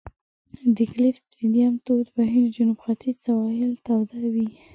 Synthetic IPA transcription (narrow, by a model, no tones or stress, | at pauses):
d̪ɪklifst̪ɾidjamt̪od̪baɦild͡ʒʊnubxat̪ʰisawɑjɪlt̪awd̪awi